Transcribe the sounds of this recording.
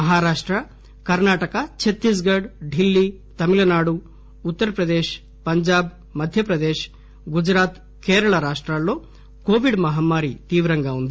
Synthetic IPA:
ɐɦaːɾaːʂʈɾɐ | kɐɾnaːʈɐkɐt͡ʃʰet̪ːis̬ɡɐɾɖɖilːi | t̪ɐmilɐnaːɽuː | t̪ːɐɾɐpɾɐd̪eːʃ | pɐɲd͡ʒaːb | mɐd̪ʱjɐpɾɐd̪eːʃ | ɡud͡ʒɾaːt̪ | keːɾɐɭɐɾaːʂʈɾalːoː | koːʋiɖmɐɦɐmːaːɾit̪iːʋɾɐŋɡaːund̪i

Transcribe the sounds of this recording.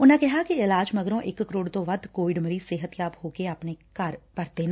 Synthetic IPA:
ʊnẽkɛɦakiɪlaːd͡ʒmɐɡɾõʔɪkːɾoːɽt̪õʋɐd̪koːʋɪɖməɾiːseːɦət̪jaːphoːkeapnekɐɾkɐɾt̪e

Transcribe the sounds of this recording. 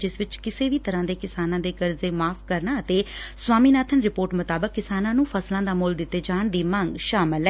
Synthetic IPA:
d͡ʒɪsʋɪt͡ʃkɪseːʋiːt̪əɾãːd̪eːkɪsaːnãːd̪eːkəɾzeːmaːpʰkəɾnaːət̪eːswaːmiːnaːt̪ʰənɾɪpoːɾʈmʊt̪aːbəkːɪsaːnãːnũːpʰəslãːd̪aːmʊːld̪ɪt̪ːeːd͡ʒaːɳd̪iːmãŋɡʃaːmɪlɛː

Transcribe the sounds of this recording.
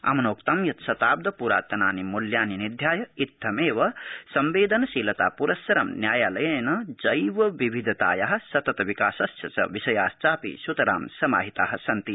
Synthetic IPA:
ɐ̰mɐnoːk̚t̪ɐmjɐt̪sɐt̪aːb̚d̪ʱɐpuɾa̰ːt̪ɐnaːnimuljaːninid̪ʱjaːjɐit̪ʰːɐmeːʋɐsɐmʋeːd̪ɐnɐsiːlɐt̪a̰ːpuɾɐsːɐɾɐmnjaːjaːlɐjɐnɐd͡ʒɐjʋɐʋiʋʱid̪ʱɐt̪a̰ːjɐɦɐ̆sɐt̪ɐt̪ɐʋikaːsɐst͡ʃjɐsɐ̰ʋisɐjaːst͡ʃaːpḭsut̪ɐɾa̰ːmsɐma̰ːɦit̪a̰ːɦɐ̆sɐnt̪i

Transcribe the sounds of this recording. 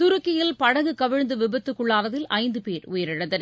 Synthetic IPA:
t̪ʊɾɯkːɪjɪlpɐɽɐɣɯkɐʋɪɻnd̪ɯʋɪbɐt̪ːɯkːɯɭːaːɾɐðɪlɐɪnd̪ɯpeːɾʊjɐɾɪɽɐðɐn

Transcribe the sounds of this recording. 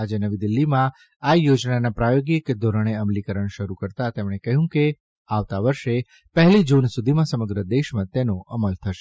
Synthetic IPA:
ad͡ʒenəʋid̪ɪlːimã | ajod͡ʒnanapɾajoɡjəked̪ʱoɾəɽ̃eəmlikəɾəɳ̃ʃəɾukəɾt̪at̪emɳ̃ekəɦjũke | aʋt̪aʋəɾʃe | pəɦlid͡ʒunsud̪ʱimãsəməɡɾəd̪eʃmãt̪enoʔəməlt̪ʰəʃe

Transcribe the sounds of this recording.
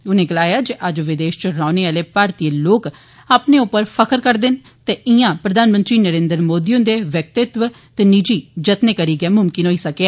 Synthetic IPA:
ʊnẽːɡəlaːjaːd͡ʒeʔəd͡ʒʋɪd̪eːʃt͡ʃəɾaːneːaːleːpaːɾt̪iːloːk | aːpneːʊpːəɾpʰəkəɾkəɾd̪ɪn | t̪eːʔɪjãːpɾəd̪aːnmə̃nt̪ɾiːnəɾẽːnd̪əɾmoːd̪iːõːd̪eːʋjək̚t̪ɪt̪ʋə | t̪eːnid͡ʒiːd͡ʒət̪neːkəɾiːɡɛːmʊmkɪnɦoːiːsəkeːaː

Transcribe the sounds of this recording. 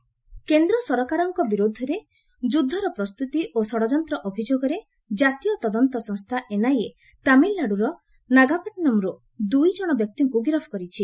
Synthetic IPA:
kend̪ɾɔsɔɾkaɾɔŋkɔbiɾod̪ʱːɔɾe | d͡ʒud̪ʱːɔɾɔpɾɔst̪ut̪iʔosɔɽɔd͡ʒɔnt̪ɾɔʔɔbʱid͡ʒoɡɔɾe | d͡ʒat̪ijɔt̪ɔd̪ɔnt̪ɔsɔ̃ŋst̪ʰaʔenaje | t̪amilːaɽuɾɔ | naɡapaʈinɔmɾu | d̪ujd͡ʒɔɽ̃ɔbjɔk̚t̪iŋkuɡɾɔbʰɔ̥kɔɾit͡ʃʰi

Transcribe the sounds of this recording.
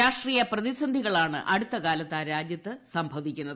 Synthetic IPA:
aːʂʈriːjɐprɐðisɐnd̪ʱiɣɐɭaːɳɨ̰ʔɐɽut̪ːɐkaːlɐt̪ːaːɾaːd͡ʑjɐt̪ːɨsɐmbʱɐʋikʲːunːɐð

